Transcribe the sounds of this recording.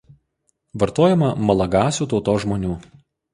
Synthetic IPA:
ʋɐɾt̪oːjɛmɐmɐlˠɐɡɑːsʲuːt̪ɒʊt̪oːʒmoːnʲuː

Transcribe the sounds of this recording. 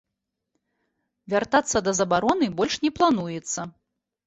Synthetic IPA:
vʲart̪at̪sːɐd̪ɐzɐbaɾɔnɨbɔlʲʂnʲɛplˠan̪ujɛt̪sːɐ

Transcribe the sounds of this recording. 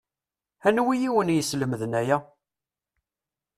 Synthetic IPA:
ænwijiwənjəsləməðnæjæ

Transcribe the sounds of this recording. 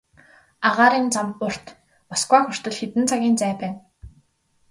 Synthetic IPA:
aʁaːɾiːnt͡samʊr̥t̪ | pɔskwaːxʊr̥t̪ə̆ɮxet̪ɘ̆nt͡sʰaɣʲiːnt͡sæːpæːn

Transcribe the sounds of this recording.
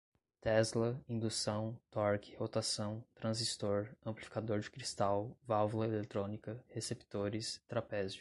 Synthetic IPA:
t̪ɛzlɐĩd̪usɐ̃w̃t̪ɔɾkɪhot̪asɐ̃w̃t̪ɾɐ̃zist̪oɾɐ̃mplifi̥kad̪oɾd͡ʒɪkɾist̪awvawvulɐelet̪ɾõnikɐhesept̪oɾɪst̪ɾapɛz

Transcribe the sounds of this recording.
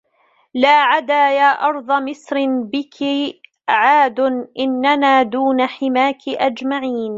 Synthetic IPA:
laːʕad̪aːjaːʔɑɾˤd̪ˤɑmɪsɾbɪkʰɪ | ʕaːd̪ʊnʔɪnːanaːd̪uːnaħɪmaːkɪʔad͡ʒmaʕiːn

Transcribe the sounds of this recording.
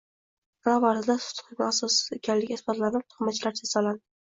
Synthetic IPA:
bɾavaɾɪd̪asʊ̥t̪ʰχɪɡʲaasɒsekʲanlɪɡʲesbɒt̪lanɪp̚t̪ʰʊ̥χmat͡ʃʰɪlaɾt͡ʃʰasaland̪ɪ

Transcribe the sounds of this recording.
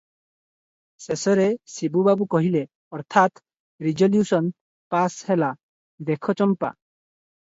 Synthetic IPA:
sesɔɾesibubabukɔɦile | ɔɾt̪ʰat̪ | ɾid͡ʒɔljusɔn | pashela | d̪ekʰɔt͡ʃɔmpa̰

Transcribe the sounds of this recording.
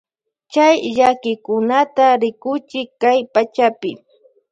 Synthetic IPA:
t͡ʃajʎakɪkʊnat̪aɾɪkʊt͡ʃɪkajpat͡ʃapɪ̰

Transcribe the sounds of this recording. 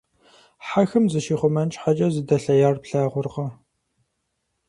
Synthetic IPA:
ħaxɨmzɨʃiːχʷʊmɐnt͡ʃʼħat͡ʃʼɐzɨdɐɬɐjaːrpɬaːʁʷʊrqɐ

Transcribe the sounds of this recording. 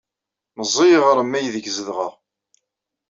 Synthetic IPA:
məzˤːijʁəɾˤəmːæjəðəɡzəðʁəʁ

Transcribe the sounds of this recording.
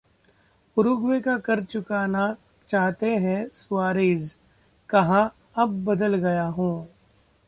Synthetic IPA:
ʊɾʊɡwekakɐɾt͡ʃʊkaːna | t͡ʃaːɦt̪eɦɛ̃swaːɾiːd͡ʒ | kɐɦã | ɐb̚ːɐd̪əlɡɐjaɦũː

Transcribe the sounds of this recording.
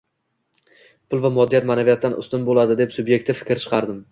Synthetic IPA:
pʰʊlˠvamɒd̪ːijat̪maːnavijat̪ːanʔʊ̰st̪ɪnbolˠad̪ɪd̪e̞psʊbje̞k̚t̪ʰɪfɪ̥kʲɾt͡ʃʰɨ̥qʰɑɾd̪ɪm

